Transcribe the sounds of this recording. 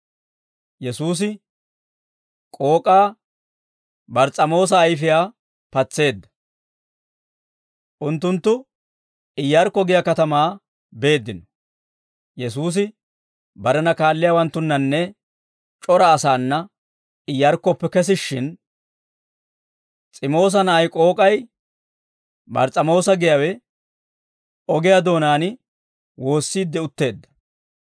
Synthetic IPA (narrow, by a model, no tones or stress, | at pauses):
jɛsuːs̬ɪ | kʼo̞ːkʼaː | bɐɾt͡sʼɐmo̞ːs̬ɐːjfɪjaː | pɐt͡sːe̞ːd̪ːɐ̥ | ʔʊnt̪ːʊnt̪ːʊ | ɪjːɐɾkːɔɡɪjɐkɐt̪ɐmaː | be̞ːd̪ːɪnɔ̥ | jɛsuːs̬ɪ | bɐɾɛnɐkaːlːɪjawɐnt̪ːʊnːɐnːɛ | t͡ʃʼɔɾɐːsaːnːɐ | ɪjːɐɾkːɔpːɛkɛs̬ɪʃːɪn | t͡sʼɪmo̞ːs̬ɐnɐʔɐjkʼo̞ːkʼɐj | bɐ̰ɾt͡sʼɐmo̞ːsɐɡɪjɐwɛ | ɔɡɪjad̪o̞ːnaːnɪ | wo̞ːsːiːd̪ːɛʊt̪ːe̞ːd̪ːɐ̥